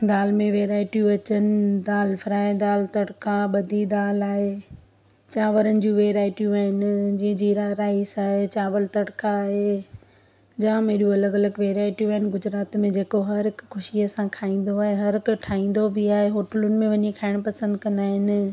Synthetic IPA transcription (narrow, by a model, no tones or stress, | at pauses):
d̪aːlmẽʋeːɾaːɪʈijũɐt͡ɕənɪ̆d̪aːlfɾaːed̪aːlt̪ɐɽkʰaɓɐd̪ʱid̪aːlaːɦe | t͡ɕaːʋəɾənɪ̆d͡ʑũːʋeːɾaːɪʈijũaːɦɪnɪ̆d͡ʑĩːd͡ʑiɾaɾaːisaːɦet͡ɕaːʋəlt̪ɐɽkʰaːɦe | d͡ʑãːmẽːɗũɐləɡɐləɡʋeːɾaːɪʈijũaːɦɪnɪ̆ɡʊd͡ʑɾaːt̪mẽd͡ʑeːkoɦɐɾɦɪkxʊʃiəsãkʰaːĩːn̆d̪oaːɦeɦɐɾɪkʈʰaːĩːn̆d̪obɪaːɦeɦoːʈəlʊnɪ̆mẽʋɐɲikʰaːɪɽ̃pɐsə̃nd̪kɐ̃nd̪aːɦɪnɪ̆